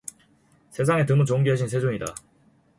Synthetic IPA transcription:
sʰe̞s̬ʰaŋe̞tɯmut͡ɕoŋɡiɦaɕ̬ʰinsʰe̞d͡ʑoɲida̰

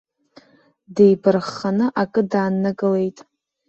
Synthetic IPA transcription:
dejbɨrχanɨʔakʼɨdaːnːɨɡʼɨle̞jtʼ

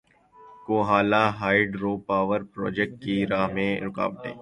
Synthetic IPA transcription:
koːɦaːlaɦaːɪɖɾoːpaːʋəɾpɾɔ̰ːd͡ʒɛk̚ʈ̚kiɾaːɦmẽɾʊka̰ːb̚ʈ̪ḛː

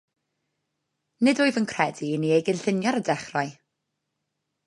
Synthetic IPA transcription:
nɪdʊɨvənkʰr̥ɛdiniejɡɪnɬɪnjɔɾədɛχraɨ

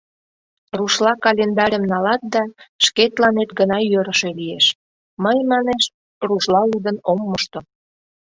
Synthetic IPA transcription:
ruʃlɑkɑlʲend̪ɑɾʲəmnɑlɑt̪̚d̪ɑʃket̪lɑnet̪ɡənɑjøɾəʃe̽lijeʃ | məjmɑneʃ | ruʃlɑud̪ənomːoʃt̪o

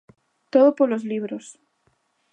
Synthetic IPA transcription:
t̪oðopoɾlo̞zliβɾos

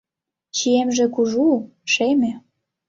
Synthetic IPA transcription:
t͡ɕiemʒĕkuʒuʃemĕ

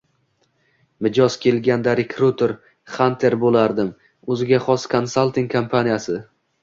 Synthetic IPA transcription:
mɪd͡ʒɒzkʲʰe̞lɡʲand̪aɾekʰɾut̪ʰeɾ | χant̪ʰe̞ɾbolaɾd̪ɪm | ɵzɪɡʲaχɒskʰonsalˠt̪iŋkʰompʰanijasɪ

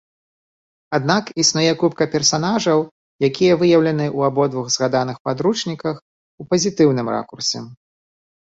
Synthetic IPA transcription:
ad̪nakisnujɛkupkɐpʲɛrsanaʐɐw | jakʲijɐvɨjɐwlʲɐnɨʔuabɔd̪vuɣzɣad̪an̪ɨxpad̪ɾut͡ʂnʲikɐx | upɐzʲit̪ɨwnɨmra̰kursʲɛ̰

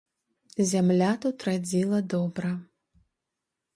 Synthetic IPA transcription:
zʲamlʲat̪ut̪rad͡zʲilˠɐd̪ɔbɾɐ

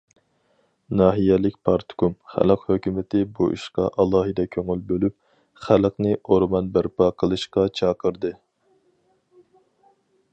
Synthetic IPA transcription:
nɑːɦijɛlɪkʲpʰɑɾt̪ʰkumχæ̰ləqhøkʲymɪt̪ʰɪbuʔḭʃqɑ̰ʔɑlˠɑːɦɨd̪ɛkʲʰøŋylbølyp̚ | χæləqnɨʔoɾmɑnbæɾpɑqʰəlˠɨʃqɑt͡ʃʰɑːqʰəɾd̪ɨ

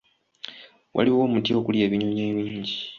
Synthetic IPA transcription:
wʔa̰liwo̞ːmutio̞kuljeːβiɲoɲeːβiːɲɟi

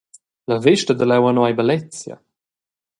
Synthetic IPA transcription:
ləvɪʃtəd̪əlɛwanwajbalɛt͡sja̰

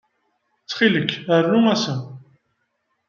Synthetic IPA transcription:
t͡sːχiləkːərːʊæsə

